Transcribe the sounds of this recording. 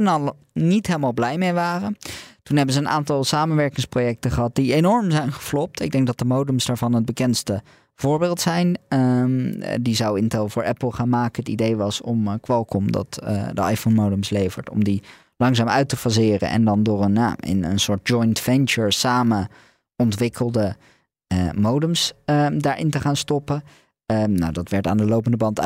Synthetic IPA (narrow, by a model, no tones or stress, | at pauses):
ɛnɑlˠ | nitɦejləmaːlˠblɛjmejʋaːrəntunɦɛbənzəːnʔa̰ːntɑlˠsaːmənʋɛɹkɪŋsprojɛk̚təχəɦɑt̚dienɔɹmzɛjnχə̥flɔp̚tɪɡ̚dɛŋk̚ɡ̚dɑt̚dəmowdəmsdaːɹvɑnɦəd̚bəkɛnstə | v̥ʊːɹbɪːlˠtsɛjn | dizɑwɪntɛlˠvʊːɹɛpl̩ˠχaːnmaːkəətidejʋɑsɔmkʋɛlˠkɔmdɑ̰tdəɑ̰jfonmowdəmslejvəɹtɔ̰mdi | lɑŋzaːmœɥtəfɑzɪːrə̰nʔɛ̰ndɑndʊːɹənja̰ɪ̰nə̰nsʊːɹt̚d͡ʒɔjntfɛnt͡ʃəɹsaːmə | ɔntʋɪkʰəlˠdə | əmowdəmsədaːɹʔɪ̰ntəχaːnstɔpə | nawdɑtʋɛɹtaːndəlowpəndəbɑnt